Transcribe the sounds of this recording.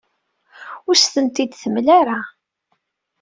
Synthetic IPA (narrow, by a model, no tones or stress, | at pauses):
ʊɾst̪ənt̪id̪θəmlaɾa